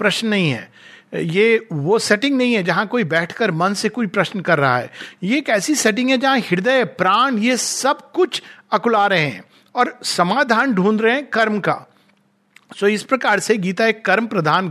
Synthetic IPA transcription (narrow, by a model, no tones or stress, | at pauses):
pɾɐʃnːɐɦĩɦɛ̰ː | jeːʋoseʈɪ̃ŋɡnɐɦĩɦɛd͡ʒɐɦãkoːibɛːʈʰkəɾmɐ̃nsekoːipɾɐʃnkɐɾːɐɦa̰ɦɛ̰ːjeːkɛːsisɛːʈ̬ɪ̃ŋɡɦɛ̃d͡ʒɐɦãɦɪɽd̪əpɾaːñjesɐbkʊt͡ʃʰɐkʊlaːɾəɦɦɛ̰̃ | ɔːɾsɐmaːd̪ʱaːnɖʱũːnd̪ɾeɦɛ̃kɐɾmka̰ː | soːɪspɾɐkaːɾseɡiːt̪aeːkːɐɾməpɾɐd̪ʱaːn